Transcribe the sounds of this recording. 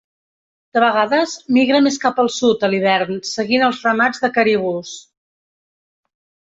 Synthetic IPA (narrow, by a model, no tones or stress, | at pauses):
d̪̥əβəɣaðəzmiɣɾəmeskapəlˠsut̪əliβɛɾnsəɣinəlˠzrəmad͡zðəkəɾiβ̞us